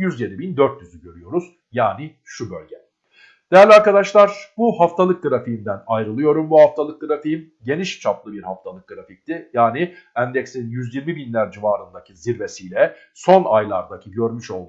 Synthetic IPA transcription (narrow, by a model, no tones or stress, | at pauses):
jyzje̞d̪ibind̪øɾt̪jyzyɟø̞ɾyjo̞ɾuz̥ | jaːni | ʃubø̰lʲɟɛ | d̪̥ejæɾlʲaɾkad̪aʃlˠaɾbuhaft̪ʰalˠɯk̚ɡɯɾafiimd̪ænajɾɯlˠɯjo̞ɾumbuhaft̪ʰalˠɯk̚ɡɯɾafim | ɟe̞niʃt͡ʃʰaplˠɯbiɾhaft̪ʰalˠɯk̚ɡɯɾafic̚t̪ʰɪjaːniænd̪ɛcsinjyzjiɾmibinlʲæɾd͡ʒivaːɾɯnd̪acʰiziɾve̞sijlʲɛ | so̞najlˠa̰ɾd̪acʰiɟø̞ɾmyʃo̞lˠd̪